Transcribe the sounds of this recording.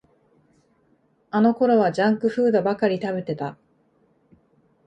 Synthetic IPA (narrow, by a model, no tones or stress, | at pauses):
ano̞ko̞ɾo̞βad͡ʑãŋkɯ̟ɸɯ̟ːd̪o̞bakaɾʲit̪abe̞t̪e̞t̪a